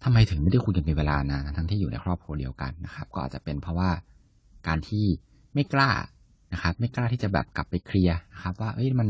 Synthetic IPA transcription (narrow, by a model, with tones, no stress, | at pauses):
t̪ʰa˧mːa˧jt̪ʰɯ˨˩˦ma˥˩jda˥˩ku˧nka˧miː˧weː˧laː˧na˦˧˩t̪ʰa˦˥ŋt̪ʰiː˥˩˨uː˨˩na̰˧jkʰɾɔː˥˩p̚kʰu˧ɐdi˧əwka̰˧nːa˦˥xʰa˦˥p̚kɔː˥˩ʔa̰ː˨˩t̚t͡ɕa˨˩pe˧npʰɾɔ˦˥waː˥˩ | kaː˧nt̪ʰiː˥˩ | ma˥˩jklaː˥˩ | na˦˥xʰa˦˥p̚ma˥˩jklaː˥˩iː˥˩t͡ɕa˨˩bɛ̰ː˨˩p̚kla˨˩pːa˧jkʰɾi˧ɐna˦˥xʰa˦˥p̚waː˥˩ʔɤ˦˥jma˧n